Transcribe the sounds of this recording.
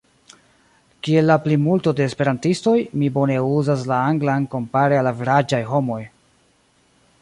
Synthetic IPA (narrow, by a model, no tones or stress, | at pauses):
kie̞lːaplimulto̞de̞ːspe̞ɾantisto̞jmibo̞ne̞uzas̬laaŋɡlanko̞mpaɾealaviɾad͡ʒajɦo̞mo̞j